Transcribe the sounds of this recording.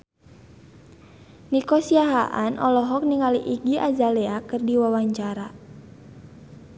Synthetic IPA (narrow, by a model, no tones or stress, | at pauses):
nikɔsiaɦaʔanʔɔlɔɦɔk̚niŋaliʔiɡiʔazalɛakɨrdiwawaɲt͡ʃaɾa